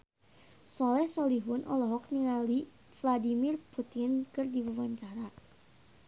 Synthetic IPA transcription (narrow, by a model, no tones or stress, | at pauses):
sɔlɛhsɔliɦʊnʔɔ̰lɔɦɔk̚niŋali | fladimirput̪inkɨrdiwəwaɲt͡ʃaɾa